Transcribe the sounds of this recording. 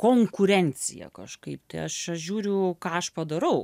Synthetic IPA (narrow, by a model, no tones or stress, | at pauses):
koːŋkʊɾʲɛnʲt͡sʲɪjɛ̰kɐʃkɐɪpt̪ɐɪɐʃɐʒʲuːɾʲʊkɑːɐʃpɐd̪ɐɾɐʊ